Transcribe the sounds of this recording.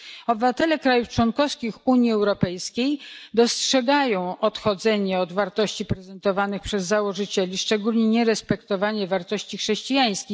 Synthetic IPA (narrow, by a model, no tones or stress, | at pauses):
ɔbɘvat̪ɛlɛkɾajuft͡ʂwɔnkɔfskʲixuɲjiɛwɾɔpɛjskʲejd̪ɔstʂɛɡajɔ̃w̃ʔɔt̪xɔd̪zɛɲɛɔd̪vaɾt̪ɔɕt͡ɕipɾɛzɛnt̪ɔvanɘxpʂɛzːawɔʐɘt͡ɕɛlʲiʂt͡ʂɛɡulʲɲɛɲɛɾɛspɛkt̪ɔvaɲɛvaɾt̪ɔɕt͡ɕixʂɛɕt͡ɕijaj̃skʲix